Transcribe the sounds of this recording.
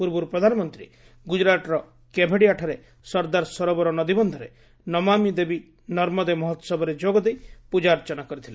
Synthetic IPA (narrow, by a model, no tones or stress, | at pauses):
puɾbuɾupɾɔd̪ʱanɔmɔnt̪ɾḭ | ɡud͡ʒɾat̪ɾɔ | kebʱeɽiaʈʰaɾe | sɔɾd̪aɾsɔɾɔbɔɾɔnɔd̪ibɔnd̪ʱɔɾe | nɔmamid̪ebi | nɔɾmɔd̪emɔɦɔt̪sɔbɔɾed͡ʒoɡɔd̪ejpud͡ʒaɾt͡ʃɔnakɔɾit̪ʰile